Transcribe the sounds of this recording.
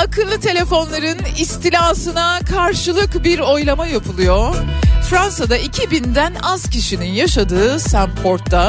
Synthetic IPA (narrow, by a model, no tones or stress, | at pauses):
akʰɯlˠːɯt̪ʰe̞lʲe̞fo̞nlˠaɾɯnist̪ʰilʲaːsɯnakʰaɾʃɯlˠɯkbiɾo̞jlˠamajapʰulˠujofɾansad̪aicʰibind̪ænaz̥cʰiʃininjaʃad̪ɯːsampʰo̞ɾt̪ʰːa